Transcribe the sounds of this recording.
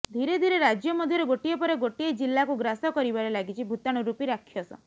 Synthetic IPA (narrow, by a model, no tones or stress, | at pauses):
d̪ʱiɾed̪ʱiɾeɾad͡ʒjɔmɔd̪ʱjɔɾeɡoʈijepɔɾeɡoʈied͡ʒilːakuɡɾasɔkɔɾibaɾelaɡit͡ʃʰibʱut̪aɽ̃uɾupiɾakʰjɔsɔ̰